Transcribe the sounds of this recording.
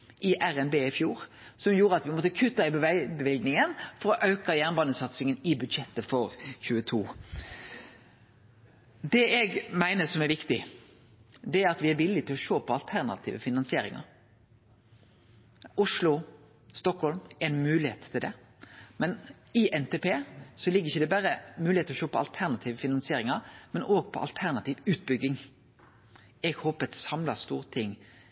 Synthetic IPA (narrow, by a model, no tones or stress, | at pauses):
ʔɪʔæɾɛnbeːɪfjuːɾ | sɔmjuːɾəɑt̪ʋɪmɔt̪ːəkʰʉt̪ːɪbbəʋɪlɡnɪŋənfɔɾɔʔɑʉkɑjæːʁnbɑːnəsɑt̪sɪŋənɪbʉd̪ʃɛt̪ːəfɔɾçʉːət̪ʰuː | d̪ɛɛɡmæɪnəsɔmæɾʋɪkt̪ɪ | d̪ɛæɾɑt̪ʋɪæɾʋɪlːɪt̪ʰɪlɔʃoːpʰɔɑlt̪ʰæʁnɑ̰t̪ʰḭːʋəfɪnɑnsɪeːɾɪ̰ŋɑ̰ɾ | ʊʂlʊ | st̪ɔkhɔlmɛɪnmʉːlɪheːt̪ʰːɪld̪ɛ | mɛn | ɪʔɛnt̪ʰɛpʰeːsɔlɪɡːəɾɪçːəd̪ɛbæɾəmʉːlɪet̪lɔʃoːpʰɔɑlt̪ʰæʁnɑt̪ʰiːʋəfɪnɑnsɪeːɾɪŋɑɾmɛnoːɡpʰɔ̰ʔɑ̰lt̪ʰæʁnɑt̪ʰiːʋʉːt̪̚bʏɡːɪŋ | ɛɡhoːpəɛt̪sɑmlɑst̪uːʁt̪ʰɪŋː